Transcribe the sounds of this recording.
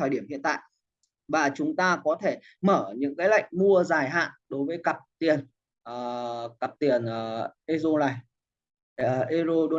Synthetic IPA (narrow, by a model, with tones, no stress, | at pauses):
əː˨˩ɗi˧˩əmhḭ˧ənt̪a̰ː˧˨j | vaː˨˩t͡ɕʊ˨˦ŋ͡mt̪aː˧kɔ˨˦t̪ʰe˧˩ | məː˧˩ɲɨ̰˧˥ŋkaː˨˦jla̰˧˨jŋ̚mu˧əzaː˨˩jɦa̰ː˧˨nɗo˨˦jvəː˨˦jkə˨˩p̚t̪i˨˩ən | ʔːkə˨˩p̚t̪i˨˩ənʔəː˨˩ʔe˧zo˧laː˧˩j | ʔe˧zo˧ɗo˧